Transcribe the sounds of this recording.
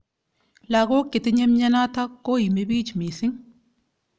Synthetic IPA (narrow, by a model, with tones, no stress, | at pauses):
la˨ɡo˦kːɪ˨t̪ɪ˦ɲe˦mɲɐ˦na˦t̪a˦kːo˦ji˨me˦biː˦t͡ʃmi˨sɪ˦ŋ